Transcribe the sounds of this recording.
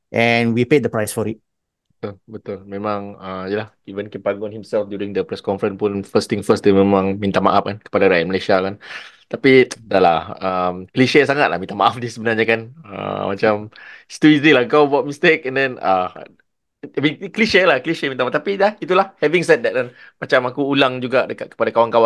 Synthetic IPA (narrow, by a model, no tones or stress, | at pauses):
ʔɛnwipedəpɹajsfɔɹit̚ | bət̪ulbət̪ʊlmẽmãŋəjəlah | ivə̃nkɛnpaŋɡʊ̃nhimsɛlfdjuɾĩŋdəpɾɛskɔ̃nfəɾənpunfəst̪ĩŋfəst̪imemãŋmĩnt̪ama̰ʔaf̚kankə̥padaɾajaməleʃiakan | t̪apidalaəmkliʃesaŋat̪̚lahmint̪amaʔafdisəbənarɲakanə̰mat͡ʃamst̪uisnilahkawbuat̚mist̪ekɛndɛ̃na̰ | mikliʃelahkəliʃemĩnt̪amat̪apilait̪ulahhɛvĩŋsɛt̚dɛt̚anmat͡ʃamakuːlaŋd͡ʒuɡadəkat̪̚kə̥padakawaŋkawãŋ